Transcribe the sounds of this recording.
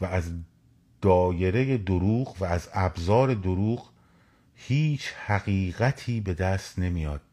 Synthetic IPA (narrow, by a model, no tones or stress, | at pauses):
vææz | d̪̥ɒːje̞ɾe̞jed̪oɾuːɣvæːzæbzɒːɾe̞d̪oɾuːɣ | hiːt͡ʃʰhæɣiːɣæt̪ʰiːbe̞d̪æst̪ne̞mijɒːd̪̥̚